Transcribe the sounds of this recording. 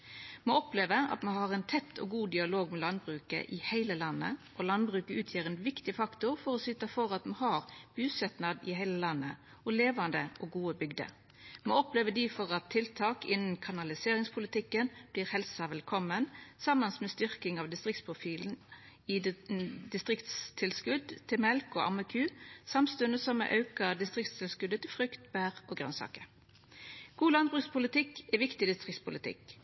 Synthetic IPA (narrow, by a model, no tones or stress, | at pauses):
moːɔpleːʋəɑ̰t̪mɛɦɑʁɛnt̪ʰɛt̪ʰːɔɡuːd̪ɪɑloːɡmɛlɑnbɾʉːkə̰ʔɪhæɪləlɑnːə̰ʔɔlɑnbɾʉːkəʉːt̪ʰjiːɾɛnʋɪkt̪ɪfɑkt̪ʊʁfɔʁɔsʏt̪ɑfɔʁɑt̪mɛhɑɾb̥ʉːsɛt̪nɑd̪ɪhæɪləlɑnːə | ɔleːʋɑnd̪əɔɡuːəbʏɡd̪ə̰ | moɔpleːʋəd̪ifɔʁɑt̪ʰːɪlt̪ʰɑːkɪnn̩kʰɑnɑlɪseːɾɪŋspʰʊlɪt̪ɪkːənb̥liːʁhɛlsɑʋɛlkʰɔmənsɑmənsmɛst̪ʏʁkɪŋɑʋd̪ɪst̪ʁɪk̚t̪spʰʊfiːl̩ | ɪd̪ɪst̪ʁɪkt̪st̪ʰɪlskʉd̪t̪ʰɪmɛlko̰ːʔɑ̰məkʰʉːsɑmst̪ʉnəsɔmɛ̰ʔɑʉkəʁd̪ɪst̪ʁɪkt̪st̪ʰɪlskʉd̪ət̪ʰɪlfʁʉkt̪b̥æːʁʔoːɡʁœnsɑ̰ːkəɾ | ɡ̥uːlɑn̚bʁʉkspʰʊlɪt̪ɪkːɛʋɪkt̪ɪd̪ɪst̪ʁɪkt̪spʰʊlɪt̪ʰɪ̰k